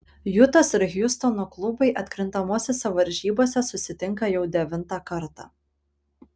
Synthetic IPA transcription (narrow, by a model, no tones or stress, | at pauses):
jʊt̪oːsɪɾɣʲjʊst̪ɔnoːklˠʊbɐɪʔɐt̪ʲkɾʲɪnt̪ɐmoːsʲosʲɛʋɐɾʲʒʲiːboːsʲɛsʊsʲɪt̪ʲɪŋkɐjɛʊd̪ʲɛʋʲɪnˑt̪ɑːˑkɐɾt̪ɑ̰ː